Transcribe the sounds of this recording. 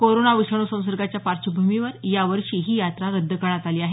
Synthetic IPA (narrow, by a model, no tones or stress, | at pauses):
koɾonaʋiʂəɳ̃usə̃w̃səɾɡat͡ɕjapaɾt͡ɕəbʱumiʋəɾjaʋəɾʂiːɦiːjat̪ɾaɾəd̪ʱːəkəɾɳ̃at̪aliːaɦe